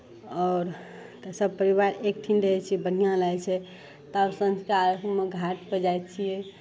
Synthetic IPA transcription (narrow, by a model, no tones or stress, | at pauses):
ɔːɾ | t̪əsəbpəɾiβaɾek̚ʈʰind̪eɦɛt͡ʃʰiɛbən̤ijãlajt͡ʃʰɛ | t̪əbsə̃nskaaɾəkʰmeɡʱaʈpəd͡ʒajt̪t͡ʃʰijɛ